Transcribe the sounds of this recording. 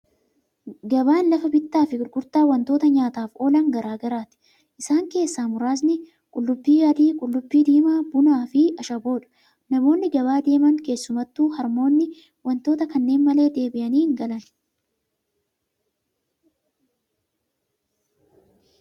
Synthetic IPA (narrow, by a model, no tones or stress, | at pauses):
ɡɐbaːnlɐfɐbɪt̪ːaːfɪɡʊɾɡʊɾt̪aːwɐnt̪oːt̪ɐɲaːt̪aːfo̞ːlɐŋɡɐɾaːɡɐɾaːt̪ɪ̥ | ʔɪsaːŋke̞ːsːaːmʊɾaːs̬nɪ | kʼʊlːʊbːiːjaːd̪iːkʼʊlːʊbːiːd̪iːmaːbʊnaːfɪɐʃɐbo̞ːᶑɐ̥ | nɐmo̞ːnːɪɡɐbaːd̪e̞ːmɐŋke̞ːsːʊmɐt̪ːuːhɐɾmo̞ːnːɪ | wɐnt̪o̞ːt̪ɐkɐnːe̞ːnmɐleːd̪e̞ːbɪʔɐniːhɪŋɡɐlɐn